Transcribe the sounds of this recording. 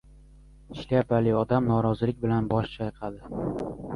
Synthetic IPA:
ɪʃlajapʰalɪɒd̪amnɒɾɒzɪlɪkʲbɪlanbɒʃt͡ʃʰajqʰɑd̪ɪ

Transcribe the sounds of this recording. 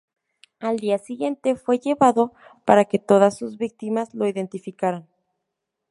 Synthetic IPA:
ald̪iasiɣje̞nt̪e̞fwe̞ʝe̞βaðo̞paɾake̞t̪o̞ðasːuzβik̚t̪imazlo̞iðe̞nt̪ifikaɾan

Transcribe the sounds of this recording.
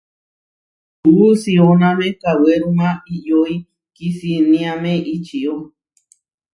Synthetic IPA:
usionãmekaweɾũmãijoi | kisinĩãmẽʔit͡ʃio

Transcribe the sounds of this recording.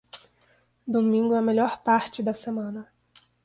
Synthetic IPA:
d̪omĩŋɡʊɐmeʎɔɾpaɾt͡ʃɪd̪ɐsemɐ̃nɐ

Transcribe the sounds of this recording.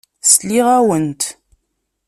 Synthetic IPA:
sliʁæwənt̪

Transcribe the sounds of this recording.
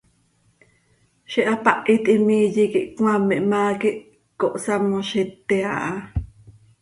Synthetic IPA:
ʃiʔapaʔit̪ʼimiːjikiʔkw̃amːeʔmaːkiʔ | koʔsamoʃit̪ːeaʔa

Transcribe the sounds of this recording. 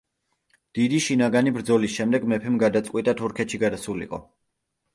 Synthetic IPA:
d̪̥id̪iʃinaɡanibɾd̪zɔlisʃɛmd̪ɛɡmɛpʰɛmɡad̪at̪sʼqʼwit̪ʼat̪ʰuɾkʰɛt̪ʃiɡad̪asulḭqʼɔ̰

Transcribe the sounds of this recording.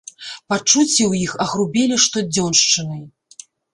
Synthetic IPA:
pat͡ʂut͡sʲːɛwjixɐɣɾubʲɛlʲiʂt̪ɔd͡zʲɔnʂt͡ʂɨnɨj

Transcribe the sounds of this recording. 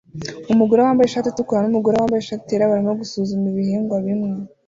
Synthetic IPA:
umuɡoɾowaːmbajeʃaːtitukoɾanumuɡoɾowaːmbajeʃaːtieɾaβaɾimoɡusuzumiβihiːŋɡwaβimŋe

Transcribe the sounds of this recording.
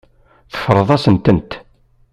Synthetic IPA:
θə̥fəɾˤəðˤɑsənt̪ənt̪

